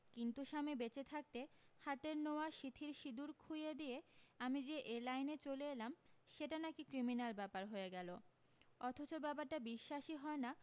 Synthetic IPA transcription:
kint̪uʃamebet͡ɕet̪ʰak̚t̪ehat̪eɾnooaʃit̪ʰiɾʃid̪uɾkʰujed̪ieamid͡ʑeʔelajnet͡ɕoleelamʃeʈanakikɾiminalbɛpaɾɦoeɡɛlo | ɔt̪ʰot͡ɕobɛpaɾʈabiʃːaʃiɦɔena

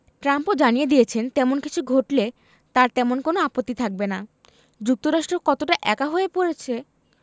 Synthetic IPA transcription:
ʈɾampod͡ʑanijed̪ijet͡ɕʰent̪ɛmonkit͡ɕʰuɡʱoʈle | t̪aɾt̪ɛmonkonoapot̪ːit̪ʰak̚bena | d͡ʑuk̚t̪oɾaʃʈɾokɔt̪oʈaʔɛkaɦoepoɾet͡ɕʰe

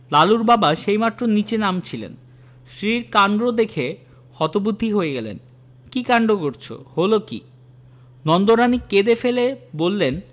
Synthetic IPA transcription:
laluɾbabaʃejmat̪ːɾonit͡ɕenamt͡ɕʰilḛn | ʃɾiɾkand̪ɾod̪ekʰe | hɔt̪obud̪ʱːiɦoeɡɛlḛn | kikaɳɖokoɾt͡ɕʰo̰holokḭ | nɔnd̪oɾaniked̪efelebolːen

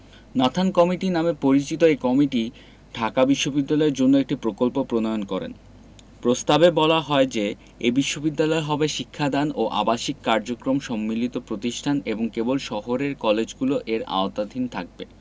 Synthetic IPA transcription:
nat̪ʰankɔmiʈinamepoɾit͡ɕit̪oekɔmiʈi | ɖʱakabiʃːobid̪ːalɔeɾd͡ʑonːoek̚ʈipɾokolpopɾonɔjonkɔɾḛn | pɾost̪abebɔlaɦɔed͡ʑe | ebiʃːobid̪ːalɔeɦɔbeʃikʰːad̪anoʔa̰baʃikːaɾd͡ʑokɾomʃɔmːilit̪opɾot̪iʃʈʰaneboŋkebolʃɔɦoɾeɾkɔled͡ʑɡuloʔeɾa̰ot̪ad̪ʱint̪ʰak̚bḛ

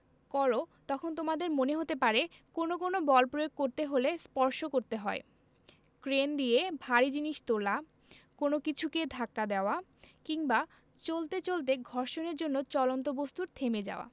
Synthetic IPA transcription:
kɔɾot̪ɔkʰont̪omad̪eɾmoneɦot̪epaɾe | konok̬onobɔlpɾojoɡ̚koɾt̪eɦolespɔɾʃokoɾt̪eɦɔe | kɾend̪ijebʱaɾid͡ʑiniʃt̪ola | konokit͡ɕʰuked̪ʱakːad̪eoakiŋba | t͡ɕolt̪et͡ɕolt̪eɡʱɔɾʃoneɾd͡ʑonːot͡ɕɔlont̪̬obost̪uɾt̪ʰemed͡ʑa̰oa̰

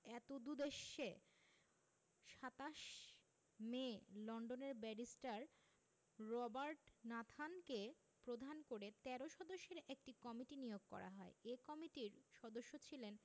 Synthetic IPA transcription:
ɛt̪od̪ud̪eʃːe | ʃat̪aʃ | melɔɳɖoneɾbɛɖisʈaɾ | ɾɔbaɾʈnat̪ʰanke | pɾod̪ʱankoɾet̪ɛɾoʃɔd̪oʃːeɾek̚ʈikɔmiʈinijoɡ̚kɔ̰ɾa̰ɦɔeekɔmiʈiɾʃɔd̪oʃːot͡ɕʰilen

